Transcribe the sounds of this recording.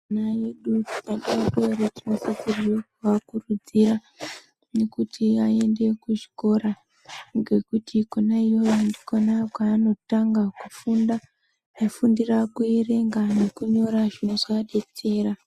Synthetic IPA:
najeɗutkaɗaakoɾetinosokuriokuʋakurud͡ziɾa | ne̞kutʰiae̞nde̞kuʐi̥ko̞ɾa | ŋɡe̞kutʰikonaijo̞jondikonakwaːno̞taŋɡakufunda | afundirakuere̞ŋɡane̞kuɲo̞ɾaʐinoʐaɗe̞t͡se̞ːra

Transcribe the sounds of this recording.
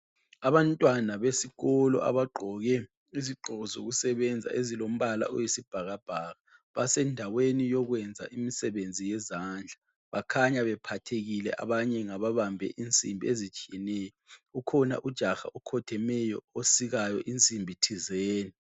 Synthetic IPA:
aβantʼwanaβesiɣɔlɔ̰ʔa̰βaɡ͡ǃʱɔɣɛ | iziǃɔɣɔzoɣusɛβɛnd͡zʱa̰ʔezilom̩βala̰ʔɔjesib̥ʱaɣab̥ʱaɣa | βasɛndʱawenijɔɣwɛnd͡zʱa̰ʔimisɛβend͡zʱijɛzaːnd͡ɮʱa | βakʰaɲaβɛpʰatʰeɣilɛ̰ʔa̰βaɲɛŋaβaβambʱɛ̰ʔint͡sʼḭmbʱiezit͡ʃʼijɛnɛjɔukʰɔna̰ʔud̥ʒ̥ʱaxa̰ʔukʰɔtʰɛmɛjɔosiɣajɔʔint͡sʼimbʱitʰizeːni

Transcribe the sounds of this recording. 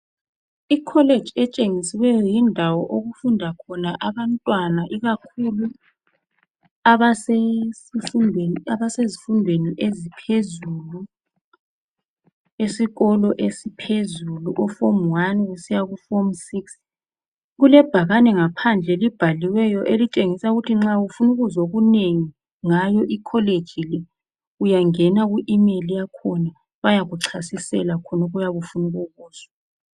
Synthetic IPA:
ikʰɔle̥d͡ʒʱɛt͡ʃʼeŋisiwɛjɔjindʱawɔʔoɣufundʱakʰɔnaʔaβantʼwanaʔiɣakʰulu | aβasesifundʱeaβasezifundʱweniʔezipʰezulu | esiɣɔlɔʔesipʰezuluʔɔfomwanwusijaɣufomsiks | ɣulɛb̥ʱaɣanɛŋapʰand͡ɮʱɛlib̥ʱaliwɛjɔʔelit͡ʃʼeŋisauɣutʰiŋ͡ǁaufunuɣuzoɣuneŋi | ŋajɔʔikʰɔled̥ʒ̥ʱilɛ | ujaŋɛnaɣuʔimelijakʰɔna | βajaɣuǀʰasisɛ̰lakʰɔnoɣujaβufunuɣuɣuːz̥a

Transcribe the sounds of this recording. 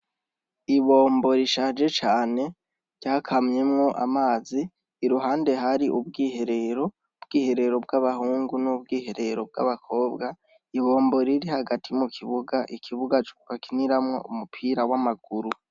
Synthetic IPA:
iβo̞ːmbo̞ɾiʃaːd͡ʒe̞t͡ʃaːne̞ | ɾɟaːkʰamɲe̞mŋo̞ʔa̰maːziː | ɾuɦaːnde̞ɦaɾiʔub̚ɡiːhe̞ɾe̞ɾo̞ | bɡiːhe̞ɾe̞ɾo̞b̚ɡaβahuːŋɡunubɡiːhe̞ɾe̞ɾo̞b̚ɡa̰βakʰo̞ːbɡa | iβo̞ːmbo̞ɾiɾihaɡatʰimukʰiβuɡaʔikʰiβuɡat͡ʃu̥βakiniɾamŋo̞̰umupʰiːɾawamaɡ̥uɾu

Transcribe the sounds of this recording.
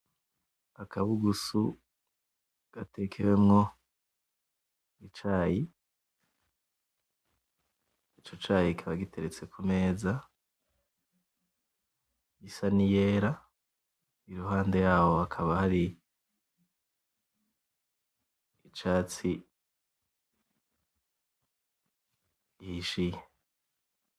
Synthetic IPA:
akʰaβuɡusu | ɡ̥ate̞kʰewemŋo̞ | it͡ʃaːji | it͡ʃo̞t͡ʃaːjikʰiβaɡite̞ɾet͡se̞kʰume̞ːza | isanijeɾa | iɾuɦaːnde̞jaːho̞akʰaβahaɾi | it͡ʃaːt͡si | ihiʃije

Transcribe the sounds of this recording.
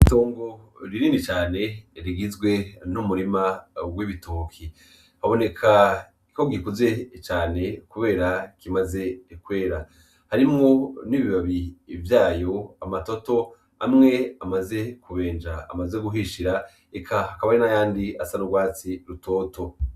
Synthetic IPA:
ito̞ːŋɡoɾiniːnit͡ʃaːne̞ɾiɡizɡwe̞numuɾimawiβitoːkʰi | haβo̞ne̞kʰa | iko̞ɡikuze̞t͡ʃaːne̞kuβe̞ːɾakimaze̞kwe̞ːɾa | haɾimŋo̞niβiβaβivjaːjo̞amato̞to̞ | amŋe̞amaze̞kuβe̞ːnd͡ʒa̰ːmaze̞ɡuɦiʃiɾa | ekʰahakaβaɾinajaːndiasanuɡwaːt͡siɾuto̞ːto̞

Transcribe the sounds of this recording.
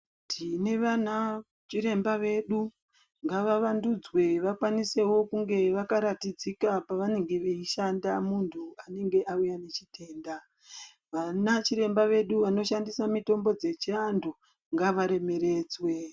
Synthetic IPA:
tʰine̞ʋana | t͡ʃiɾe̞mbaʋe̞ɗu | ŋɡaʋaʋandud͡zwe̞ʋakwanise̞wo̞kuŋɡe̞ʋakaɾatid͡zikapaʋane̞ŋɡe̞ʋeiʃandamuntʰuane̞ŋɡe̞ʔaujane̞t͡ʃitʰe̞ːnda | ʋanat͡ʃiɾe̞mbaʋe̞ɗuʋano̞ʃandisamito̞mbo̞d͡ze̞t͡ʃiando | ŋɡaʋaɾe̞me̞ɾe̞ːd͡zwe̞

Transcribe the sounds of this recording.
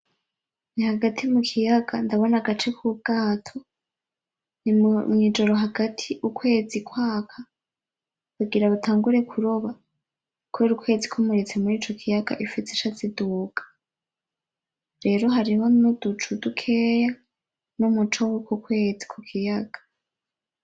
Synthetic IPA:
nihaɡatʰimukʰijaɡandaβo̞naɡat͡ʃe̞kʰub̚ɡ̥aːtʰo̞ | nimŋiːd͡ʒo̞ɾo̞ɦaɡatʰiʔukwe̞ːd͡zikwaːkʰa | kuɡiɾaβutʰaːŋɡuɾe̞kʰuɾoβa | kʰweɾukwe̞ːzikʰomuɾet͡se̞muɾiːt͡ʃo̞kʰijaɡ̥a̰ʔifit͡seʃat͡seduːɡ̥ḁ | ɾe̞ːɾo̞ɦaɾiho̞nodut͡ʃudukʰe̞ːja | numut͡ʃowekukwe̞ːzikʰukʰijaɡ̥ḁ

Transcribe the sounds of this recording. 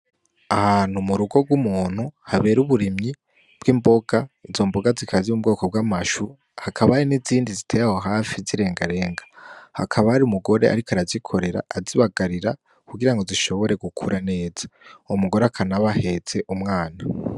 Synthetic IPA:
ahaːn̥humuɾuɡo̞ɡwumuːn̥huhaβe̞ːɾuβuɾimɲi | b̥ɡiːmbo̞ɡaizo̞mbo̞ɡazikʰazimub̚ɡo̞ːko̞b̚ɡamaʃu | hakʰaβahaɾiniziːndizitʰejaho̞ɦaːfiziɾe̞ːŋɡaɾe̞ːŋɡaha̰kʰaβahaɾiumuɡo̞ɾe̞ʔa̰ɾikaɾazikʰo̞ɾe̞ɾa̰ːziβaɡaɾiɾa | kuɡiɾaŋɡo̞ziʃo̞βo̞ɾe̞ɡukʰuɾʔane̞ːz̥ḁumuɡo̞ɾeakʰanaβahe̞ze̞ʔumŋaːna

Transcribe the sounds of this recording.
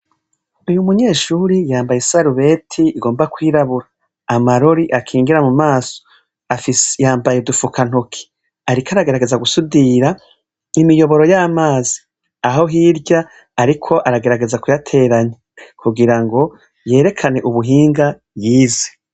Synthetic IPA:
ujumuɲe̞ːʃuɾijaːmbajesaɾuβe̞ːtʰiːɡo̞ːmbakwiːɾaβuɾaː | maɾo̞ɾiʔakʰiːŋɡiɾamumaːso̥ | afisjaːmbajedufukʰan̥okʰi̥ | aɾikaɾaɡe̞ɾaɡe̞zaɡusudiɾa | imijo̞βo̞ɾo̞jaːmaːzi̥ | aɦo̞ɦiːɾɟa | aɾikʰo̞ʔaɾaɡe̞ɾaɡe̞zakujatʰe̞ːɾaɲa | kʰuɡiɾaŋɡo̞ | je̞ːɾe̞kʰane̞ʔuβuɦiːŋɡa | jiːze̥

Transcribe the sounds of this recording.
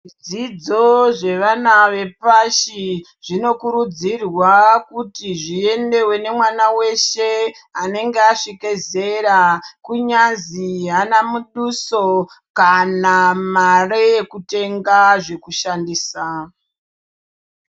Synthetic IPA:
d͡zid͡zo̞ʐe̞ʋanaʋe̞paʃi | ʐ̥ino̞kuɾud͡zirwakutiʐie̞nde̞we̞ne̞mwanawe̞ʃe | ane̞ŋɡeaʂikeze̞ɾakuɲaziɦanamuɗuso̞ | kanamarejekute̞ŋɡaʐe̞kuʃandiːsa

